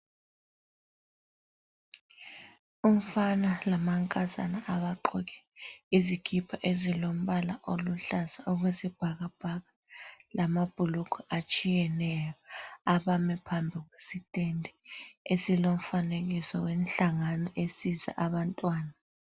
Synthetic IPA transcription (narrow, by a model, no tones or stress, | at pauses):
um̩fanalamaŋkʼaza̰naʔaβaǃɔk̬ʼɛ̥ | iziɡ̥ʰʱipʰɔʔezilom̩ɓalaʔoluɬasaɔɣwesib̥ʱaɣab̥ʱaɣa | lamab̥ʱulukʰɔat͡ʃʼijɛnɛjɔaɓamɛpʰambʱiɣwesitʼendʱiesilom̩faneɣisɔwenɬaŋanɔʔesiza̰ʔaβantʼwaːna